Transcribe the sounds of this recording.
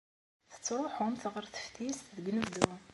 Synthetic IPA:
θə̥t͡sːɾˤoħʊmθʁəɾθə̥fθist̪ðəɡnəvd̪u

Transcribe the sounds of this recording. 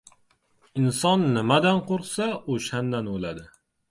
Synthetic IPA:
ɪnsɒnːɪmad̪anqʰoɾqsaoʃand̪anolad̪ɪ

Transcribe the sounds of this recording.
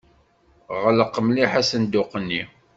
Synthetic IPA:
ʁələqːəmliħæsənd̪ʊqːənːi

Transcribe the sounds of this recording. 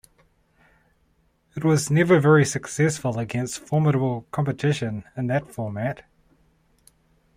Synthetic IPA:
ɨt̚wʌznɛvəvɛɹisɨksɛsfəlˠəɡɛ̃nstfɔɹməɾəbəlˠkʰɑ̃mpɨtʰɪʃɨ̃nɪ̃nðɨtfɔɹmæt

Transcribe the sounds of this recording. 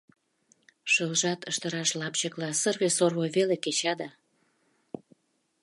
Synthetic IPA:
ʃəlʒɑt̪əʃt̪əɾɑʃlɑpt͡ɕəklɑsərβesorβoβeleket͡ɕɑd̪ɑ

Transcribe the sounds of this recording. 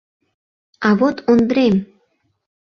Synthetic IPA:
ɑβot̪ond̪ɾem

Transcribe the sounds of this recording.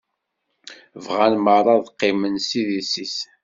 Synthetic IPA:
vʁænməɾˤɑðqːɪmənsiðisis

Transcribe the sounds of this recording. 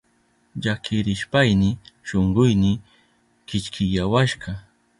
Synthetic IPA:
ʎakʰɪɾɪʃpajnɪʃoɴɢʊjnɪ | kɪt͡ʃkʰɪjawaʃɢɑ

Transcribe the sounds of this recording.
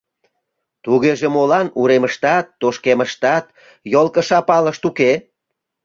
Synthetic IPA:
t̪uɣeʒemolɑnuɾeməʃt̪ɑt̪ːoʃkeməʃt̪ɑt̪ | jolˠkəʃɑpɑləʃt̪uke

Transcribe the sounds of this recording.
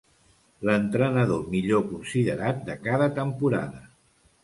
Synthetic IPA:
lənt̪ɾənəðomiʎokunsiðəɾat̪̚d̪əkaðət̪əmpuɾa̰ðə

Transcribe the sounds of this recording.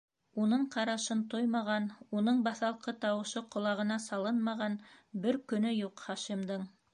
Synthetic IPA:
unɤɴqɑɾɑʃɤnt̪ojmɑʁɑnunɤɴbɑθɑlˠqɤt̪ɑwɤ̆ʃɤqŏlˠɑʁɤ̆nɑsɑlˠɤnmɑʁɑnbɘɾkɵ̆nɵjuqχɑʃimd̪ɤɴ

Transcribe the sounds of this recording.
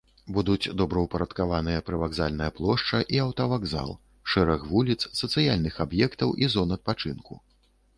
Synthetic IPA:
bud̪ut͡sʲd̪ɔbɾɐwpɐɾɐt̪kavanɨjɐpɾɨvaɡzalʲnɐjɐplˠɔʂt͡ʂɐʔiawt̪ɐvaɡza̰lˠ | ʂɛɾɐxvulʲit̪ssɐt̪sɨjalʲnɨxabjɛkt̪ɐwʔizɔnɐt̪̚pat͡ʂɨnkʰṵ

